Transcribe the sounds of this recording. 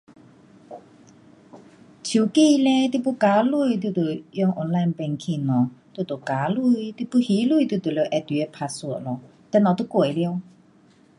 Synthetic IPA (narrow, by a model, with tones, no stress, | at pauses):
t͡ɕʰi˨˦ki˧˨lɛ̃˧t̪i˧˨pu˧˦ka˨˦lu˧˨jt̪̬u˧˩t̪u˨˩jɔ˧˨ŋʔɔ˧˨nla˧˨npɛ˧ŋkʰi˧˨nɔ˨t̪u˧˩t̪o˨˩ka˨˦lu˧˨jt̪i˧˦pu˧˦hi˨˦lu˧˨t̪u˧˩t̪u˨˩le˧˩ʔɛ˧t̪i˨˧˨e˧˩pʰa˧su˧˩ə˨ʔlɔ˨ | t̪ɛ˧˨na˨t̪u˧˥˦kwo˨˩˨li˧ə˧w